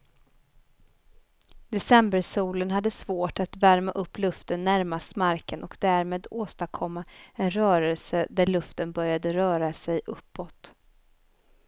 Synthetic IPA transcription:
d̪̥ɛsɛmbəɾsuːlənɦad̪ːəsvoːʈat̪væɾmaʔɵpːlɵft̪ənːæɾmast̪maɾkənɔkd̪æɾmeːd̪oːst̪akʰɔmːaɛnɾœːɾəlsəd̪æɭɵft̪ənbœɾjad̪əɾœːɾasɛjʔɵpːɔt̪

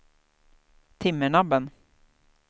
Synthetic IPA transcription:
t̪ʰɪmːəɳabən

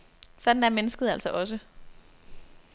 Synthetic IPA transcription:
sɒ̽d̥n̩æɐmenəsɡ̥ð̩ˠæl̰sɒ̽ʔɒ̽s̬ə

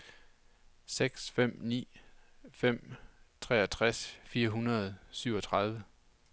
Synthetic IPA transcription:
seɡ̥sfem̰nḭːfem̰t͡sʰʁɛ̰ːɐt͡sʰʁasfiːɐɦunɐð̞̩ˠsyʊ̰ɒ̽t͡sʰʁɑ̈ð̞ˠʋə

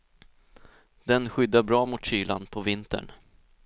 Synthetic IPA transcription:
d̪̥ɛnɧʏd̪ːabɾɑːmʊt̪ɕyːla̰nd̪pʰɔvɪnt̪ə̰ɳ

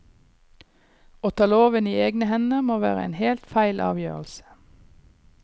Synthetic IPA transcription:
oːt̪ʰɑːloːʋəniːeːɡnəhɛnəmoːʋæ̰ːʁə̰ḛːnheːlt̪fæɪlʔɑ̰ːʋjø̰ːʁl̩sə̥

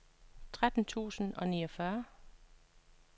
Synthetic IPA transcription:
t͡sʰʁad̥n̩t͡sʰṵːsn̩ɒ̽niːɒfɶɐ

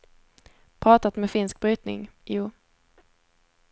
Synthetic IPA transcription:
pʰɾɑːt̪at̪mɛfɪnsk̚bɾyːt̪nɪ̰ŋjuː

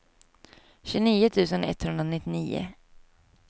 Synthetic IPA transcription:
ɕʉniːʊt̪ʰʉ̟ːsənɛ̰t̪ːhɵnd̪ɾanɪt̪ːɪniːʊ̰

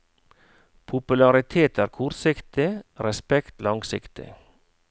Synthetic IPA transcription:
pʰʊpʉlɑɾɪt̪ʰeːt̪æːɾkʰɔɾt̪sɪkt̪ɪɾɛspɛkt̪lɑŋsɪkt̪ɪ̰

